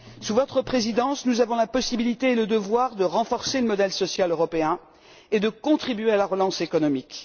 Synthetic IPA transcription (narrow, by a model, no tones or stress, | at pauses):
suvɔt̪χəpχezid̪ɑ̃snuzavɔ̃lapɔsibilit̪eːləd̪əvwaʁd̪əʁɑ̃fɔʁseləmɔd̪ɛlsɔsjaløʁɔpeɛ̃ | ed̪əkɔ̃t̪χibɥealaʁəlɑ̃sekɔnɔmik